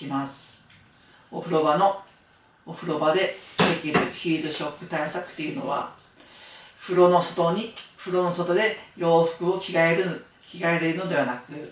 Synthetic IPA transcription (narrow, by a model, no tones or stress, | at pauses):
imasɨ̥ | oɸɯ̟ɾo̞bano̞ː | ɸɯ̟ɾo̞bad̪e̞pekʲiɾɯçʲiːd̪oɕo̞kːɯ̟̥t̪aisakɯ̟̥t̪ːejɯ̟no̞̰βa̰ | ɸɯ̟ɾo̞nosot̪oɲ̟iɸɯ̟ɾo̞no̞so̞t̪o̞d̪e̞jo̞ːɸɯ̥kɯ̟o̞kʲiɡaeɾɯ | kʲiɡaeɾeɾɯ̟no̞d̪e̞βanakɯ̟